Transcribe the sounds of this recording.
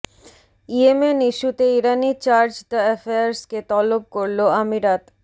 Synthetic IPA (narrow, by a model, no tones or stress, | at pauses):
iemeniʃut̪eiɾanit͡ɕaɾd͡ʑd̪aefajaɾsket̪ɔlop̚koɾloamiɾat̪